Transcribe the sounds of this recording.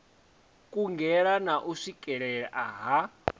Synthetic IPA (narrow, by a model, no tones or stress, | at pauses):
kʼuŋɡɛɺanaʔuʂikʼɛɺɛɺɛʔaɦa